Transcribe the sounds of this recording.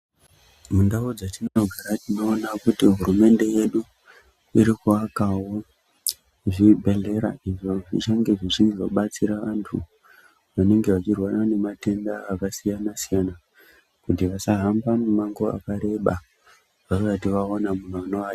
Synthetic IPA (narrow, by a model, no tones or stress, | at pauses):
mundaud͡zatinoɡʱaɾatino̞ːnakutiɦuɾume̞nde̞je̞ɗu | iɾikuakawo̞ | ʐibʱe̞ɮe̞ɾa̰iʐo̞ʐit͡ʃaŋɡe̞ʐit͡ʃinizoɓat͡siɾaʋantʰṵ | ʋane̞ŋɡe̞ʋat͡ʃirwarane̞mate̞ndaːkasijanasijana | kutiʋasaɦambamumaŋɡo̞a̰kaɾe̞ɓa | ʋaroatiʋaonamunoano̞ʋaa